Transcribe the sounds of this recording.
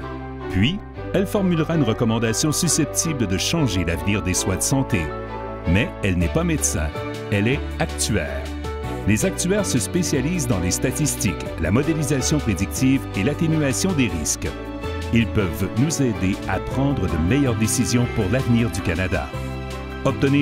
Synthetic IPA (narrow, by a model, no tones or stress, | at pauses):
pɥi | ɛlfɔʁmylʁaynʁəkɔmɑ̃d̪asjɔ̃sysɛp̚t̪ʰibləd̪əʃɑ̃ʒelavniːʁd̪eswad̪əsɑ̃t̪e | mɛɛlnɛpamet̪sɛ̰̃ | ɛlɛ | ak̚t̪ɥɛ̰ːʁ | lezak̚t̪yɛːʁsəspesjaliːzd̪ɑ̃lest̪at̪ist̪ik | la̰mɔd̪elizasjɔ̃pχed̪ik̚t̪ivelat̪enyasjɔ̃d̪eʁisk | ilpœvnuzed̪ea̰pχɑ̃d̪ʁəd̪əmɛjœʁd̪esizjɔ̃puʁlavniːʁd̪ykʲanad̪a̰ | ɔp̚t̪əne